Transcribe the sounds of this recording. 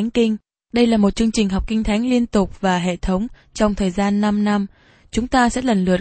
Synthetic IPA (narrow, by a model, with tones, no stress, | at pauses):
ŋ̟kï˧ŋ̟ | ɗə˧jlaː˨˩mo˨˩t̚t͡ɕɨ˧əŋt͡ɕï˨˩ŋ̟ɦɔ˨˩k͡p̚kï˧ŋ̟t̪ʰa˨˦jŋ̟li˧ənt̪ʊ˨˩k͡p̚vaː˨˩ɦḛ˧˨t̪ʰə˨˦wŋ͡m | t͡ɕɔ˧wŋ͡mt̪ʰəː˨˩jzaː˧nːa˧mna˧m | t͡ɕʊ˨˦ŋ͡mt̪aː˧sɛ̰˧˥lə˨˩nlɨ˨˩ə